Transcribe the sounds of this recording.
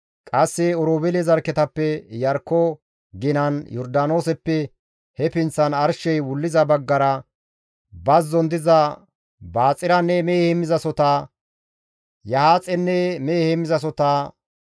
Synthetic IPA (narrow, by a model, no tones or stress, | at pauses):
kʼɐsːɛɔɾoːbɛlɛzɐɾkːɛt̪ɐpːɛjɐɾkːɔ | ɡɪnɐnjɔɾd̪aːno̞ːsɛpːɛ | hɛpɪnt͡sːɐnɐɾʃɛjwʊlːɪzɐbɐɡːɐɾɐ | bɐzːɔnd̪ɪzɐ | baːt͡sʼɪɾɐnːɛmeːhɛmːɪzɐsɔt̪aː | jɐhaːt͡sʼɛnːɛmeːhɛmɪzɐs̬ɔt̪aː